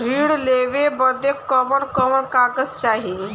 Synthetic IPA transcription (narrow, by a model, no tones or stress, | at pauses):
ɾiɽleʋebəd̪ekːəʋəɽkəʋəɳkaɡəst͡ʃaːɦi